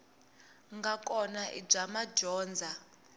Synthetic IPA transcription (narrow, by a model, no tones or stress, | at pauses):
ŋɡakʼɔnaʔḭb͡ʐamad͡ʒɔːnd͡zʱa